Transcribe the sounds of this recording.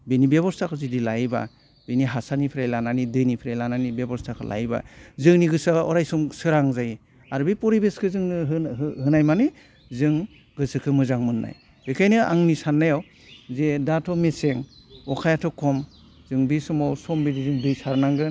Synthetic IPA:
benibebɔɾstʰakʰɯzidilajba̰ | beniɦasanipʰɾajlananidɯjnipʰiɾajlananibebɔɾstakʰɯlʔa̰jba̰zɯŋniɡɯsaɔ̰ɾajsɔmsɯɾaŋzaji | aɾbepɔɾibeskʰɯzɯŋnɯɦhɯnajmanɯ | zɯŋ | ɡɯsɯkʰɯmɯzaŋmɯnːa̰j | b̥ekʰajnɯa̰ŋnisanːajaw | zedatʰɔmeseŋɔkʰajatʰɔkʰːɔm | z̥ɯŋbisɔmawsɔmbedizɯŋdɯjsaɾnaŋɡɯ

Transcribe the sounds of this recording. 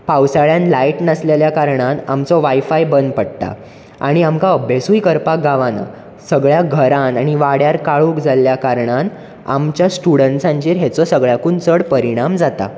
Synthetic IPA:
pawsaɭjãnlaiʈnəsleljakaɾɳanamt͡sɔʋajfajbənd̪pəɽt̪a̰ | a̰ɽ̃iamkaəbʱjesujkəɾpaɡaʋana̰ | səɡɭjaɡʱəɾanaɽ̃iʋaɽjaɾkaɭuːkd͡zʱaljakaɾɳan | a̰mt͡ɕjasʈuɽəɳʈsãɲt͡ɕiːɾɦet͡sɔsəɡɭjakuːnt͡səɽpəɾiɽ̃amd͡zat̪a̰

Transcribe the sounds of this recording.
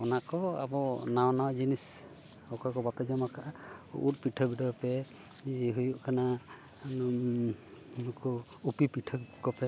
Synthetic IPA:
ɔnakɔa̰bɔnawnawd͡ʒinis | ɔkɔkɔbapɛzɔmakʰaʔaṵʔut̚piʈʰɔbidɔpɛ | ɦujuʔkʰana | nkɔ | upipiʈʰɔkɔpɛ

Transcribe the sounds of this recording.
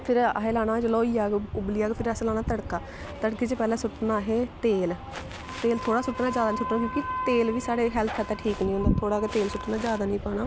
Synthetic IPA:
pʰɪɾə̰ɦeːlaːɽ̃aːd͡ʒəlɔːiːaːɡʊbliːaːɡpʰɪɾəslaːɽ̃aːt̪əɽkaː | t̪əɽkeːt͡ʃəpɛːlãːsʊʈnaːɦeːt̪eːl | t̪eːlt̪ʰoːɽaːsʊʈnaːd͡ʒjaːd̪aːĩːsʊʈnaːkjõːkɪt̪eːlʋiːsaːɽeːɦɛːlt̪ʰaːt̪aːʈʰiːknĩːõnd̪aːt̪ʰoːɽaːket̪eːlsʊʈːnaːd͡ʒjaːd̪aːnĩːpaːnaː

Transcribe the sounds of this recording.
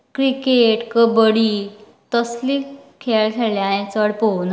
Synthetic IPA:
kɾikeʈkəbəɽi | t̪əslikʰeɭkʰeljãẽt͡səɽpown

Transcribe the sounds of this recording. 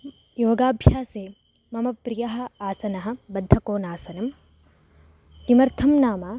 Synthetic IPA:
joːɡaːbʱjaːse | mɐmɐpɾɪjɐɦɐaːsɐnɐɦɐbɐd̪ʱːɐkoːnaːsɐnɐm | d̪imɐɾt̪ʰɐmnaːmaː

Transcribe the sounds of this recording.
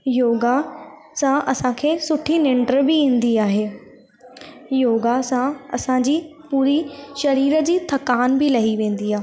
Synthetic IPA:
joːɡasãʔɐsãkʰeːsʊʈʰinɪ̃ɳɖəɾbɪẽːn̆d̪iaːɦeː | joːɡasãɐ̰sãd͡ʑiːpuːɾiʃɐɾiːɾəd͡ʑiːt̪ʰɐkaːnbɪlɐɦiʋẽːn̆d̪iaːɦ

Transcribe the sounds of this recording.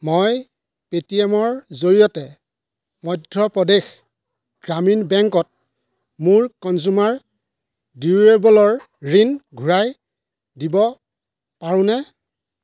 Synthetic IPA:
moj | petiɛmɔɹzoɹijɔtɛ | mɔjdʱːɔpɔdex | ɡ̥ɹaminbɛŋkɔt̚ | muɹkɔnzumaɹ | diɹebɔlɔɹ | ɹinɡʱuɹaj | dibɔ | paɹũnɛ

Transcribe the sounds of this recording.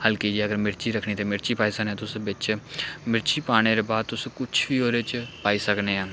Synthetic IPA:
həlkeːd͡ʒiːəɡəɾmɪɾt͡ʃiːɾəkʰɳ̃iːt̪eːmɪɾt͡ʃiːpaːiːsənẽːt̪ʊʊsbɪt͡ʃmɪɾt͡ʃiːpaːɽ̃eːɾeːbaːd̪̚t̪ʊsẽːkʊt͡ʃʰʋiːoːɾeːt͡ʃpaːiːsəkneːaː

